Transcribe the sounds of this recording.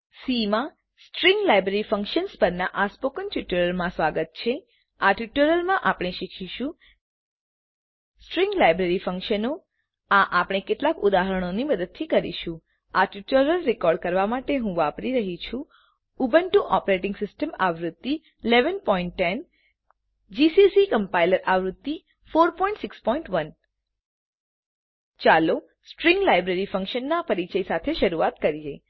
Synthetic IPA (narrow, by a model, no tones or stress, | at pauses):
simã | sʈɾĩŋɡlajbɾeɾifə̃ŋkʃənspəɾnaʔaspokənʈjuʈəɾəlmãsʋaɡət̪̚t͡ʃʰe | aʈjuʈəɾəlmãʔapɽ̃eʃikʰʃiʃũ | sʈɾĩŋɡlajbɾeɾifəŋkʃəno | aʔapɽ̃ekeʈlakud̪aɦəɾəɽ̃oniməd̪əd̪̚t̪ʰikəɾḭʃũ | aʈjuʈəɾəlɾikɔɾɖ̚kəɾʋamaʈeɦũʋapɾiɾəɦit͡ʃʰũ | ubənʈũʔɔpɾeʈɪ̃ŋɡsɪsʈəmaʋɾut̪ːi | leʋənpɔiɳʈːɛn | d͡ʒisisikəmpajləɾʔaʋɾut̪ːi | foɾpɔĩɳʈsɪkspɔĩɳʈʋən | t͡ʃalo | sʈɾĩŋɡlajbɾeɾifə̃ŋkʃənːapəɾit͡ʃəisat̪ʰeʃəɾuat̪kəɾid͡ʒe